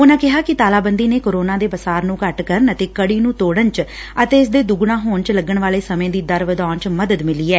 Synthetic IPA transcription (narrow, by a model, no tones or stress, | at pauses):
ʊnãːkɪɦaːkɪt̪aːlaːbənd̪iːneːkoːɾoːnãːd̪eːbəsaːɾnũːkəʈkəɾənət̪eːkəɽiːnũːt̪oːɽənt͡ʃ | ət̪eːɪs̬d̪eːd̪uɡɳãːɦoːɳt͡ʃləɡəɳʋaːleːsəmẽːd̪iːd̪əɾʋəd̪aːnt͡ʃməd̪əd̪mɪliːɛː